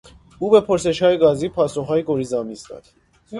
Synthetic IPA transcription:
ubɛpʰɔɾsɛʃʰɑiɡɑzipʰɑsɔχɑiɡɔɾizɑmisd̪ɑ̰ɾ

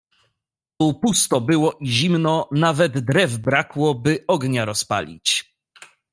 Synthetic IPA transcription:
t̪upust̪ɔbɘwɔʔiʑimnɔnavɛd̪d̪ɾɛvbɾakwɔbɘɔɡɲaɾɔspa̰lʲḭt͡ɕ

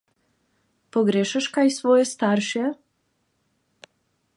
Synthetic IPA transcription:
poɡɾeʃəʃkajsvɔjɛst̪aɾʃɛ

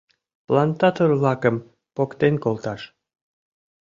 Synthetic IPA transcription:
plˠɑnt̪ɑt̪orlɑkəm | pokt̪enkolˠt̪ɑʃ

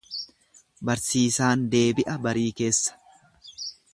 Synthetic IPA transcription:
bɐɾsiːsaːnd̪e̞ːbɪʔɐbɐɾiːke̞ːsːɐ̥

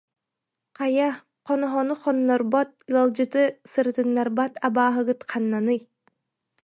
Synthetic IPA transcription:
qaja | qɔnɔɦɔnuχɔnːɔɾbɔt̪̚alˠd͡ʑɯt̪ɯsɯɾt̪ɯnːaɾbat̪abaːɦɯɡɯt̪qʰanːanɯj

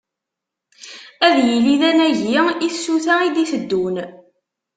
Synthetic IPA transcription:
æðjəliðænæʝiiθsuθaid̪iθəd̪ːun

